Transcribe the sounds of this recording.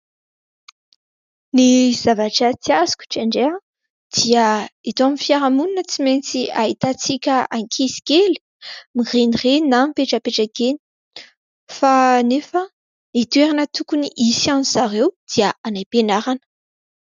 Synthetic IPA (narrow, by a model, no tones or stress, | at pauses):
niz̥avaʈ͡ʂət͡siazu̥kʲu̥ʈ͡ʂaɳɖ͡ʐe | d̪̥iəit̪oamifjaɾamuninət͡siment͡siaɦit̪at͡sikʲəaŋkʰizi̥kʲeli̥ | mirenirenampeʈ͡ʂəpeʈ͡ʂakeni̥ | fanefə | it̪weɾanət̪ukuniʔisianizaɾewd̪̥iaanajpenaɾanə̥